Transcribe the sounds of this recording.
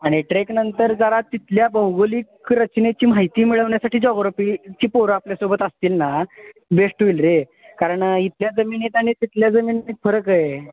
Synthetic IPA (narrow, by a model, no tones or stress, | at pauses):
aɽ̃iʈɾeknənt̪əɾd͡zəɾat̪ːit̪ljabəwɡoliːkɾət͡ɕnet͡ɕiːm̤aɦjt̪iːmiɭəʋɳjasaʈiːd͡zɔɣɾopit͡ɕiːpoɾəapljasobət̪əst̪iːlnabeʂʈuilɾe | kaɾəɳit̪ljad͡zəmiːniːt̪aɽ̃it̪it̪ljad͡zəmiːniːt̪fəɾəkəje